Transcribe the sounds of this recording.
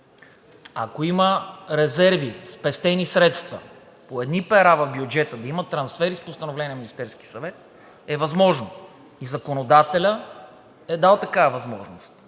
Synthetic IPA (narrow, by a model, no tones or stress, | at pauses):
ɐ̰koiməɾɛzɛɾvispɛst̪ɛnisɾɛt̪st̪vɐ̰ | poɛd̪nipɛɾavɐvbjud͡ʒɛt̪əd̪ɐimət̪ːɾɐnsfɛɾispost̪ɐnovlɛniminist̪ɛɾskʲi̥sɐvɛt̪̚ | ɛvɐzmɔʒno | izɐkonod̪at̪ɛlʲə | ɛd̪alˠt̪ɐkaɐvɐzmɔ̰ʒnost̪